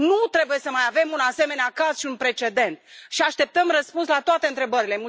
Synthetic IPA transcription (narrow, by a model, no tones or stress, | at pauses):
nut̪ɾe̞buje̞səmajave̞munase̞me̞neakaz̥ʃiunpɾe̞t͡ʃe̞d̪e̞nt̪̚ʃiaʃt̪e̞p̚t̪əmrəspunslat̪oat̪e̞ɨnt̪ɾe̞bəɾilemul